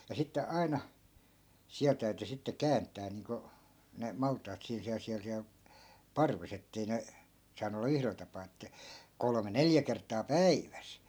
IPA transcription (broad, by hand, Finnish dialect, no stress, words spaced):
jɑ sitːe ɑi̯nɑ siæl tæyty sitːe kæːntˑæː niːŋko ne mɑltˑɑːt siːn siæl siæl siæl pɑrʋes etːei ne sɑːnu olːɑ yhrel tɑpɑː etːæ kolme neljæ kertˑɑː pæiʋæs